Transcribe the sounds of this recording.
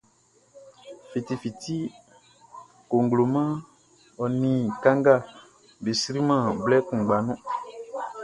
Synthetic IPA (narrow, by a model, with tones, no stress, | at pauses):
fi˨ti˨fi˨tʰi˦ | ko˨ŋ˨ɡlo˨mã˦ | ɔ˨nĩ˨kã˦ŋ˦ɡa˦˨ | be˨sɾi˦mã˦˨blɛ˦kũ˨ɡ͡ba˨nɔ̃˦